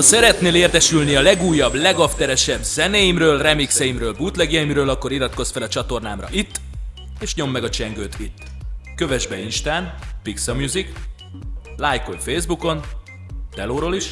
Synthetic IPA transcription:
sɛɾɛt̪neːleːrt̪ɛʃylniɒlɛɡuːjːɒblɛɡɒft̪ɛɾɛʃɛbz̥ɛneːjimrøːlrɛmiksɛjimrøːlbuːt̪lɛɡijɛjimɾøːlɒkːo̞ɾiɾɒt̪ko̞sfɛlɒt͡ʃɒt̪o̞rnaːmrɒ̰ʔit̪ː | eːʃɲo̞mːɛɡɒt͡ʃɛŋɡøːt̪it̪ːkøvɛʒbɛinʃt̪aːnpiksɒmjuzik | laːjkoɲfeːjzbuko̞n | t̪ɛloːɾoliʃ

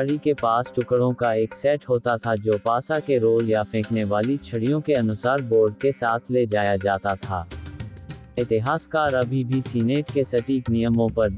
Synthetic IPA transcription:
ɾikepaːsʈʊkɽõkaeːksɛːʈɦoːt̪at̪ʰad͡ʒoːpaːsakeɾoːljafʰẽːkneʋaːlit͡ʃʰɐɽijõkeɐnʊsaːɾboːɾɖ̚kesaːt̪ʰled͡ʒaːjad͡ʒaːt̪at̪ʰa̰ː | ɪt̪ɪɦaːskaːɾɐbʱibʱisiːneːʈkesɐʈiːknijəmõpɐɾ

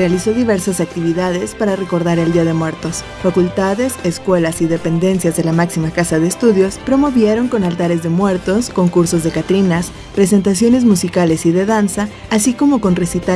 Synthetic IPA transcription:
realiso̞ðiβe̞ɾsasak̚t̪iβiðað̞e̞spaɾare̞ko̞ɾðaɾe̞ld̪iað̞e̞mwe̞ɾt̪o̞s | fakult̪aðe̞seskwe̞lasiðe̞pe̞nd̪e̞nsjazðe̞lamaksimakasaðe̞ːst̪uðjo̞spɾo̞mo̞βje̞ɾo̞ŋko̞nalt̪aɾe̞zðe̞mwe̞ɾt̪o̞sko̞ŋkuɾso̞zðe̞kat̪ɾinas | pɾe̞s̬e̞nt̪asjo̞ne̞zmusikale̞siðe̞ðansaː | siko̞mo̞ko̞nre̞sit̪a

